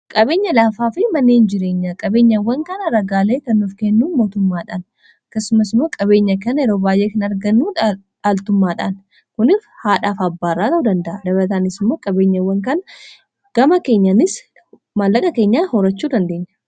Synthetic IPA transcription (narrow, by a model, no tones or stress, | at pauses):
kʼɐbe̞ːɲːɐlaːfaːfɪmɐnːeːnd͡ʒɪɾe̞ːɲːakʼɐbe̞ːɲːɐwːɐŋkɐnɐɾɐɡaːleːt̪ɐnːufkɛnːuːmo̞ːt̪ʊmːaːᶑa̰ːn | ɐkːɐsʊmɐsɪmo̞ːkʼɐβe̞ːɲːɐkɐnɛɾo̞ːbaːjʔeːkɪnɐɾɡɐnːuː | ᶑaːlt̪ʊmːaːᶑa̰ːn | kʊnɪfhaːᶑaːfɐbːaːrːaːt̪ɐʊd̪ɐnd̪ɐʔɐd̪ɐbɐɾɐt̪aːnɪsɪmːo̞ːkʼɐbe̞ːɲːɐwːɐŋkɐnɐ | ɡ̥ɐmɐke̞ːɲːɐnɪs | malːɐkʼɐke̞ːɲːaːhɔɾɐt͡ʃːuːd̪ɐnd̪e̞ːɲːɐ